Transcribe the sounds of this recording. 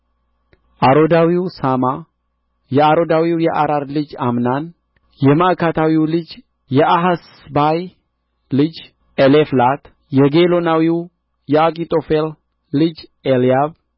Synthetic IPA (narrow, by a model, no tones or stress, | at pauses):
ʔaɾo̞d̪awiwsama | jɛaɾo̞d̪awiwjɛʔaɾaɾlɨd͡ʒamnan | jɛmaʔkʰat̪ʰawiwlɨd͡ʒ | jɛʔaɦas | baj | lɨd͡ʒ | eleflat̪ | jɛɡelo̞nawiw | jɛakʼit̪ʼo̞felː | ɨd͡ʒelijaβ